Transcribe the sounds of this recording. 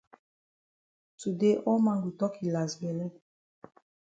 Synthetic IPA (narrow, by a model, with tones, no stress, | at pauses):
tu˨de˦ʔɔ˦ma˨ŋɡu˨tɔ˦ki˨la˨zbɛ˨lə˦